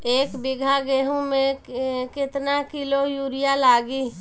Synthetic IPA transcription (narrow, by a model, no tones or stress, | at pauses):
eːkbɪɡʱaɡeɦũmẽkɪt̪nakɪlojuːɾɪjalaːɡi